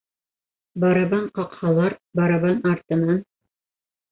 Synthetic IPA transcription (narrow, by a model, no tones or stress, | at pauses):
bɑɾɑbɑɴqɑqhɑlˠɑɾbɑɾɑβɑnɑɾt̪ɤ̆nɑn